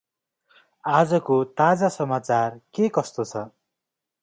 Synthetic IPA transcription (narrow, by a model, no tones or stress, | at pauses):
ad͡zʌkot̪ad͡zasʌmat͡sarkekʌst̪ot͡sʰʌ